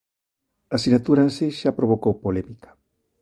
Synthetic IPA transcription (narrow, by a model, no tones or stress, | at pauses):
asinat̪uɾanseʃapɾoβ̞okowpolemikḁ